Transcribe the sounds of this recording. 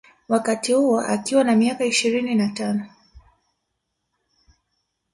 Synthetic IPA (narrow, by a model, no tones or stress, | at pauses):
wakatihuɔʔa̰kiwanamiakaiʃiɾininatanɔ